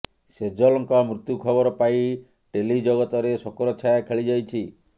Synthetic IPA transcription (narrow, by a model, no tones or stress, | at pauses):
sed͡ʒɔlɔŋkɔmɾut̪jukʰɔbɔɾɔpai | ʈelid͡ʒɔɣɔt̪ɔɾesɔkɔɾɔt͡ʃʰajakʰeɭid͡ʒajt͡ʃʰi